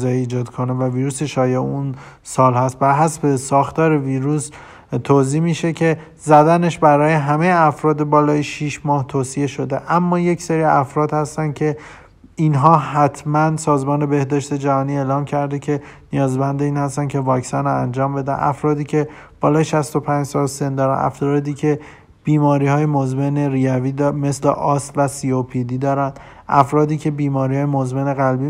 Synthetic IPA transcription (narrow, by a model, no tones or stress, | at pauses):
zɒjiiːd͡ʒɒːd̪kʰonevæviːɾuːseʃɒːjeun | sɒːlhæst̪̚bæɾɦæsbe̞sɒːxt̪ɒːɾeviːɾus | t̪ʰoːziːmiːʃe̞cʰe̞ | zæd̪æneʃbæɾɒːje̞ɦæmejeæfɾɒːd̪ebɒːlɒːjeʃiʃmɒːht̪ʰoːsie̞ʃo̞d̪e̞ʔæmːɒːje̞cseɾiæfɾɒːd̪hæst̪æncʰe̞ | inɦɒːɦæt̪ʰmænsɒːzmɒːne̞be̞hd̪ɒːʃt̪e̞d͡ʒæhɒːniːe̞ːlɒːmcʰæɾd̪ecʰe̞nijɒːzbænd̪e̞iːnhæst̪ænkʲʰe̞vɒːcsɒnoænd͡ʒɒːmbe̞d̪æ̰nʔæ̰fɾɒːd̪iːcʰe̞b̥ɒːlɒːʃæst̪o̞pʰænd͡ʒsɒːlse̞nd̪ɒːɾæ̰næ̰fɾɒːd̪iːcʰe̞ | b̥iːmɒːɾiːhɒːjemozmeneɾiæviːd̪me̞slḛʔɒːst̪væsiopʰid̪iːd̪ɒːɾænd̪ | ʔæ̰fɾɒːd̪iːcʰe̞biːmɒːɾihɒːjemozmeneɣælbi